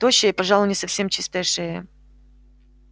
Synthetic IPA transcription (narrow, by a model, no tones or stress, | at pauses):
t̪oɕːɪɪpɐʐɑlˠʊnʲɪsɐfsʲemt͡ɕist̪əʂɨjə